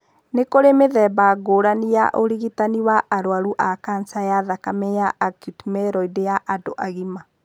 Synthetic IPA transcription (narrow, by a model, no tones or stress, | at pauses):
nekoɾemeðɛːbaɡoːɾanijaʔoɾiɣitaniwaʔaɾoaɾuʔakansajaðakamɛjaʔakutmɛɾɔidejaʔadoʔaɣima